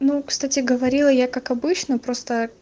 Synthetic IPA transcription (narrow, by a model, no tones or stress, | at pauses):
nukst̪atʲɪɡəvɐɾʲilˠəjakakɐbɨt͡ɕnəpɾo̞st̪ə